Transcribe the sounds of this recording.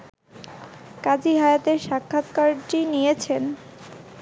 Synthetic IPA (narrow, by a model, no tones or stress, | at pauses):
kad͡ʑiɦaeat̪eɾʃakʰːat̪kaɾʈinijet͡ɕʰen